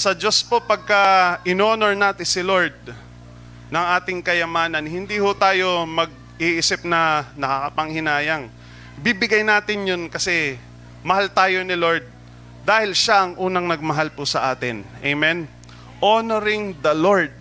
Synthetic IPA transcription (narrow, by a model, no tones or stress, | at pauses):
sɐd͡ʒo̞spo̞pɐɡ̚kɐʔɪnoːnoɹnat̪ɪsɪloɹd̪̚ | nɐŋʔaːt̪ɪŋkɐjɐmaːnɐnhɪnd̪ihʊt̪aːjo̞mɐɡ̚ | iʔiːsɪp̚nɐnɐkakɐpɐŋhɪnaːjɐŋ | bibɪɡajnaːt̪ɪnjonkɐsɛ | mɐhalt̪aːjo̞nɪlo̞ɹd̪̚ː | aːhɪlʃaʔɐŋʔuːnɐŋnɐɡ̚mɐɦalpʊsɐʔaːt̪ɪnʔɛjmɛn | ʔonoɾɪŋd̪ɐloɹd̪̚